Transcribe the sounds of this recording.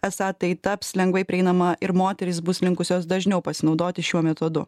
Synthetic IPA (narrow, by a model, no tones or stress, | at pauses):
ɛsɑːt̪ɐɪt̪ɐpslʲɛŋɡʋɐɪpʲɾʲɪɛɪnɐmɐʔɪɾmoːt̪ʲɛɾʲɪsbʊslʲɪŋkʊsʲoːsd̪ɐʒʲnʲɛʊpɐsʲɪnɒʊd̪oːt̪ʲɪʃʲuɔmʲɛt̪od̪ʊ̰